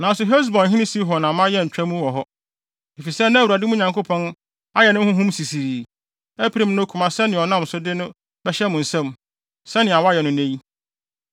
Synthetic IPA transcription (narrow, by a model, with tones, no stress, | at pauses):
nã˨˦sʊ˨ɦe˦s̬bɔ̃˨n˨ɦĩ˦nɪ̃˦si˦ɦɔ˨nã˨mã˦jɛ˦˨ɲ̩˨t͡ɕᶣæ˦mũ˦wɔ˨ɦɔ˦ | e˨fi˨sɛ˦nã˦˨wu˨ɾa˨dɪ˦mũ˦ɲã˨ŋko˦pʰɔ̃˦n | a˦jɛ˨nʊ̃˦hʊ̃˦ɦũ˦msi˨si˨ɾi˨ | æ˦pʰi˨ɾi˦m˦nʊ̃˦kʰʊ˨mã˨sɛ˦nɪ̃˨ɔ˨nã˦m˨sʊ˦dɪ˦nʊ̃˦ | bɛ˦ɕɛ˦mʊ̃˨n̩˨sɛ̃˦m | sɛ˦nɪ̃˨a˨wa˦jɛ˨nʊ̃˦ne˦ji˦